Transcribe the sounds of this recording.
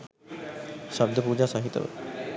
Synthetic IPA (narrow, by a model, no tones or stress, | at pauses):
ʃab̚d̪opud͡ʑasaɦit̪o̰bḛ